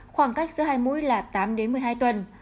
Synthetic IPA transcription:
xwaː˧˩ŋka˦˥jk̚zɨ˨˦haː˧jmṵ˧˥jlaː˨˩t̪aː˨˦mɗe˨˦nmɨ˨˩əjɦaː˧jt̪wə˨˩n

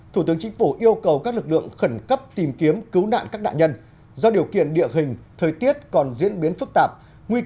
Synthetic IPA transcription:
t̪ʰu˧˩t̪ɨ˨˦əŋt͡ɕï˨˦ŋ̟fu˧˩ʔi˧əwkə˨˩wkaː˦˥k̚lɨ˨˩k̚lɨ̰˧˨əŋxə˧˩nkə˦˥p̚t̪i˨˩mki˨˦əmkɨ˨˦wna̰ː˧˨nkaː˦˥k̚ɗa̰ː˧˨nɲə˧n | zɔ˧ɗi˨˩əwkḭ˧˨ənɗḭ˧˨əɦï˨˩ŋ̟t̪ʰəː˨˩jt̪i˦˥ət̚kɔ˨˩nzḭ˧˥ənɓi˨˦ənfɨ˦˥k̚t̪aː˨˩p̚ | ŋwi˧

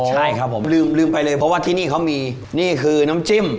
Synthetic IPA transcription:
t͡ɕʰa˥˩jkʰa˦˥pʰːo˨˩˦lɯː˧mlɯː˧˩mpa˧jlɤː˧jpʰɔ˦˥waː˥˩t̪ʰiː˧˩niː˥˩kʰa˦˥wmiː˧ | niː˥˩kʰɯː˧na˦˥mt͡ɕi˧˥˩m

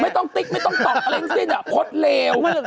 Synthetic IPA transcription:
ma˥˩jt̪ɔ˥˩ŋt̪i˦˥˩ma˥˩jt̪ɔ˥˩ŋt̪ɔː˨˩p̚le˧˦˥nsi˥˩nbɛː˨˩p̚kʰo˦˥t̪̚leː˧w

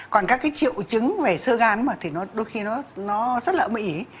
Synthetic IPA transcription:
kɔ˨˩nkaː˦˥kːaː˨˦jt͡ɕḭ˧˨wt͡ɕɨ˨˦ŋve˨˩sɨ˧ɣaː˨˦nmaː˨˩t̪ʰi˨˩nɔ˨˦ɗo˧jxi˧nɔ˨˦nɔ˨˦zə˦˥t̚laː˨˩mḭ˧˩˨

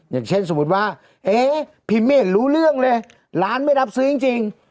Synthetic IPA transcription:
jaː˨˩ŋt͡ɕʰe˥˩nso˨˩˦mu˨˧˩t̪̚waː˧˥˩ | ʔeː˧˩ | pʰi˧˩meː˧˩t̪̚ɾuː˦˥lɯ˥˩əŋlɤː˧j | laː˦˥nma˥˩jla˦˥p̚sɯː˧˦i˧ŋt͡ɕi˧ŋ

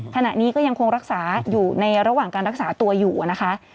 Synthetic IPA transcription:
kʰa˧na˨˩ʔniː˦˥kɔː˥˩ja˧ŋkʰo˧ŋɾa˦˥k̚saː˩˦juː˨˩na˧jɾa˧waː˨˩ŋkaː˧nɾa˦˥k̚saː˩˦t̪u˧ɐjuː˨˩na˦˥kʰa˦˥ʔ

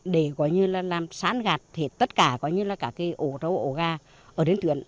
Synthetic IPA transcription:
ɗe˧˩kɔ˨˦jɲɨ˧laː˨˩laː˨˩msa̰ː˧˥nɣaː˨˩t̚t̪ʰe˨˩t̪ə˦˥t̚kaː˧˩kɔ˨˦ɲɨ˧laː˨˩kaː˧˩kːaː˨˦jʔo˧˩t̪ə˧˩wʔo˧˩ɣaː˧˩ | əː˧˩ɗe˨˦nt̪wḭ˧˨ən

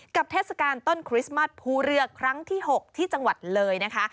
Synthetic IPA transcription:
ka˨˩p̚t̪ʰeː˥˩sa˧kaː˧nt̪o˥˩nkʰɾi˦˥sma˥˩s̚pʰuː˧ɾɯ˧ɐkʰɾa˦˥ŋt̪ʰiː˥˩ɦo˨˩k̚t̪ʰiː˥˩t͡ɕa˧ŋwa˨˩t̪̚lɤː˧jna˦˥kʰa˦˥

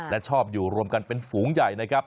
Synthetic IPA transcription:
lɛ˦˥t͡ɕʰɔː˥˩p̚juː˨˩ɾu˧əmka˧npe˧nfuː˩˦ŋja˨˩jna˦˥kʰɾa˦˥p̚

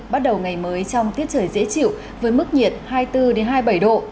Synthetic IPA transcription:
ɓa˦˥t̚ɗə˨˩wŋa˨˩jməː˨˦jt͡ɕɔ˧wŋ͡mt̪i˦˥ət̚t͡ɕʰəː˧˩jzḛ˧˥t͡ɕḭ˧˨ə˨w | vəː˨˦jmɨ˦˥k̚ɲi˨˩ət̚haː˧jt̪ɨ˧ɗe˨˦nɦaː˧jɓə˧˩jɗo̰˧˨

